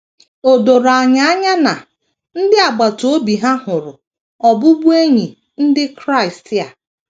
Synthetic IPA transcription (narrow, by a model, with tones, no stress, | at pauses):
o˨do˨ɾa˨ɲa˦a˦ɲa˦na˨ | n̩˦dɪ˦a˨ɡ͡ba˨to˦bi˨ɦa˦hʊ˨ɾʊ˨ | ɔ˨bʊ˦bu˦e˦ɲi˨ | n̩˦dɪ˦kɾa˦ɪ˨stja˨